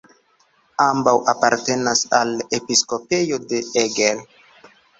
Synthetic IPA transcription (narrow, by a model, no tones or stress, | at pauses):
ambawʔapaɾte̞nasalepisko̞pe̞jode̞eɡel